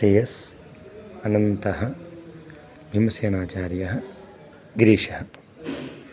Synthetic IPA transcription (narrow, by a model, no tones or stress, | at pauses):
ʈeːjɐs | ɐnɐnt̪ɐɦɐ | bʱimɐsjɐnaːt͡ʃaːɾjɐɦɐ̆ | ɡɾiːʂɐhɐ